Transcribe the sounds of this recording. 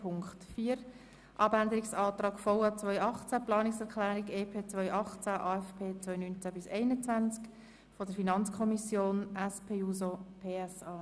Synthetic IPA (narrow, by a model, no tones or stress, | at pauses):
pʰʊŋkχtfiːəɾ | ʔɑbændəɾɪksɑːt̪ɾɑːkfɔwɑt͡svœʏʔɑχt͡sæplɑːnɪksɛʁkʰlɛːɾikeːpʰeːt͡sʋvœʏʔɑχt͡sæʔɑːɛfpʰeːt͡sʋœʏnynt͡sæbɪsɛɪnət͡sʋænt͡sk | fɔdəɾfinɑnt͡skʰɔmisjoːnʔɛspʰeːuːsopʰeːɛsɑː